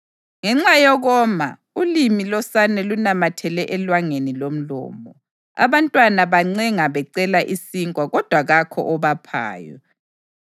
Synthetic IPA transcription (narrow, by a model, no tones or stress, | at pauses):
ŋɛŋ͡ǀajɔɣɔma̰ | ulimilɔsanɛlunamatʰɛlɛʔɛlwaŋenilom̩lɔ̰ːmɔ | a̰βantʼwanaβaŋ͡ǀɛŋaβɛǀɛlaʔisiŋʼwaɣɔd̥ʱwaɣakʰɔ̰ʔɔβapʰa̰ːjɔ̰